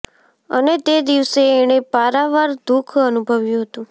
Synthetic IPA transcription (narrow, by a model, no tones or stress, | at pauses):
ə̰net̪ed̪iʋseːɽ̃epaɾaʋaɾd̪ukʰənubʱəʋjũɦət̪ũ